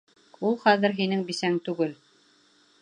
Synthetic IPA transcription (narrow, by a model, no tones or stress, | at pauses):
ulˠχæðɘ̆ɾɦinɘŋbisæŋt̪ʉɡɘl